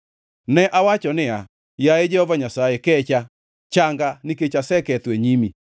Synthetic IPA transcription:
nɛʔawat͡ʃɔnɪa | jaed͡ʒɛhɔvaɲasaɛkɛt͡ʃa | t͡ʃaŋɡanɪket͡ʃasɛkɛt̪wɛɲimi

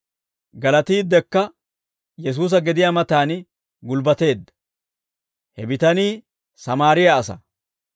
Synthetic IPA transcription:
ɡɐlɐt̪iːd̪ːɛkːɐ | jɛs̬uːs̬ɐɡɛd̪ɪjaːmɐt̪aːn | ɡʊlbɐt̪e̞ːd̪ːɐ | hɛbɪt̪ɐniː | sɐmaːɾɪjaːsɐ̰

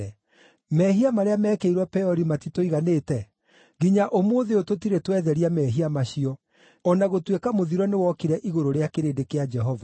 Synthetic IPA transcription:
ɛ | mɛːɦiamaɾeamɛːkeiɾwɔpɛɔɾimatitoiɣaneːtɛ | ɣiɲaʔomoːðeototiɾetwɛðɛɾiamɛːɦiamaɕiɔ | ɔnaɣotwekamoðiɾɔnewɔkiɾɛʔiɣoɾoɾeakeɾeːdekead͡ʒɛɦɔva

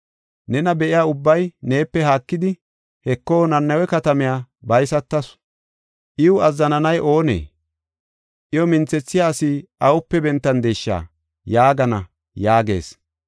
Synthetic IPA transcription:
nɛnɐbɛʔɪjaːʊbːɐjne̞ːpːɛɦaːkːɪd̪ɪ | hɛkːo̞ːnɐnːɐwɛkɐt̪ɐmɪjaːbɐjsɐt̪ːɐs | ʔɪʊɐzːɐnɐnɐjʔo̞ːnḛː | ʔɪjɔmɪnt͡sːɛt͡sːɪjaːsɪʔɐwʊpːɛbɛnt̪ːɐnd̪eːʃːa̰ː | jaːɡɐnɐ̰ | jaːɡe̞̰ːs

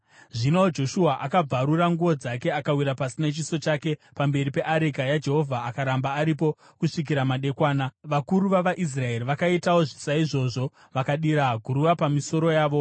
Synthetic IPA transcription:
ʐinaod͡ʒo̞ʃuɦaʔakab͡vaɾuɾaŋɡuʋo̞d͡zake̞akawiɾapasine̞t͡ʃiso̞t͡ʃake̞pambe̞ɾipe̞ʔaɾekajad͡ʒe̞ɦo̞vʱaːkaɾambaːɾip̬o | kuʂik̬iɾamaɗe̞kwaːnaʋakuɾuʋaʋaʔis̬rae̞ɾiʋakaitao̞ʐisaiʐo̞ʐo̞ | ʋakaɗiɾaɡʱuɾuʋapamiso̞ɾo̞jaːʋo̞

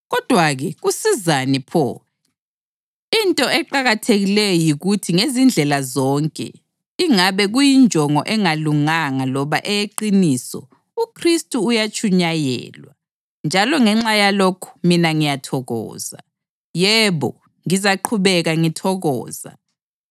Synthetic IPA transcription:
ɣɔd̥ʱwaɣɛɣusizanipʰɔ̰ | intʼɔɛǃaɣatʰeɣilɛjɔjiɣutʰiŋezind͡ɮʱɛlazɔŋkʼɛ̰ | iŋaβɛɣujind͡ʒʱɔŋɔ̰ʔɛŋaluŋaŋalɔβaʔɛjeǃinisɔ̰ | ukʰristʼuːjat͡ʃʰʼuɲajɛ̰ːlwa | nd͡ʒʱalɔŋɛŋ͡ǁajalokʰu̥minaŋijatʰɔɣɔ̰ːza̰ | jɛβɔ | ŋizaǃʰuβɛɣaŋitʰɔɣɔ̰ːza̰

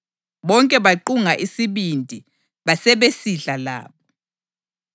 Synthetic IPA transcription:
ɓɔŋkʼɛɓaǃuŋaʔisiɓindʱʼi | ɓasɛɓesiɬala̰ːɓɔ

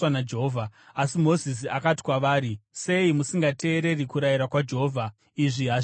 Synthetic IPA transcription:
anad͡ʒeɦoːvʱaasimo̞zis̬iakati̥kwaʋaːɾise̞imusiŋɡatʰe̞ːɾe̞rikuɾajiɾakwad͡ʒe̞ɦoːvʱa | iʐiɦa

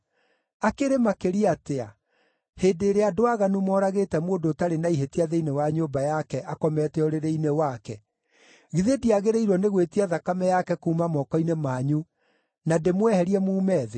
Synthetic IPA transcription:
akeɾemakeɾiatea | heːdeːɾeadoaɣanumɔːɾaɣeːtɛmoːndotaɾenaiɦetiaðeinewaɲoːmbajakɛʔakɔmɛtɛɔɾeɾeinewakɛ | ɣiðediaɣeɾeiɾwɔneɣwetiaðakamɛjakɛkuːmamɔkɔinemaːɲu | nademwɛhɛɾiɛmuːmɛːðe

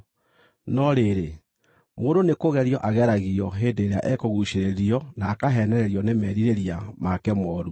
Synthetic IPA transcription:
nɔɾeɾe | moːndonekoɣɛɾjɔʔaɣɛɾaɣiɔɦeːndeːɾeaʔɛkoɣuɕeɾeɾiɔnaːkaɦɛnɛɾɛɾiɔnemɛɾiɾeɾiamakɛmɔːɾu

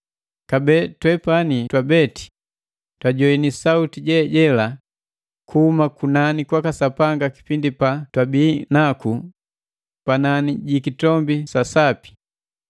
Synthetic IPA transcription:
kabɛtwɛpanitwabɛti̥ | twaɟɔinisautiɟɛɟɛla | kʰuhumakunanikwakasapaŋɡaki̥pindipatwabiːnaku | pananiɟikitɔmbisasapi̥

